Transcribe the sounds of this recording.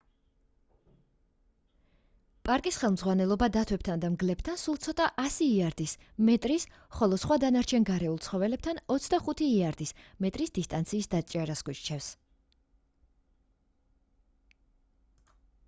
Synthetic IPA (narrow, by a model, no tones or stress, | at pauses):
pʼaɾkʼisχɛlˠmdzʁwanɛlˠɔbad̪at̪ʰwɛp̚t̪ʰand̪amɡlɛp̚t̪ʰansulˠt̪sʰɔt̪ʼaʔasiːaɾd̪is | mɛt̪ʼɾis | χɔlˠɔsχwad̪anaɾt͡ʃʰɛnɡaɾɛulˠt̪sʰχɔvɛlɛb̚t̪ʰanɔt̪sʰd̪aχut̪ʰiːaɾd̪ismɛt̪ʼɾisd̪ist̪ʼant̪sʰiːsd̪at͡ʃʼaɾasɡwit͡ʃt͡ʃʰɛfs